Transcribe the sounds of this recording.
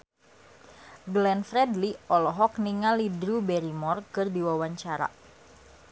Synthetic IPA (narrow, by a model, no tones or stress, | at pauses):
ɡlɛnfɾɛdliɔlɔɦɔkniŋalidɾubɛɾimɔrkɨrdiwawaɲt͡ʃaɾa̰